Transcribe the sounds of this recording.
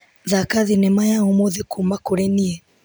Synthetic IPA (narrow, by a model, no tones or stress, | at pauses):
ðakaðinɛmajaomoðekʰumakoɾɛniɛ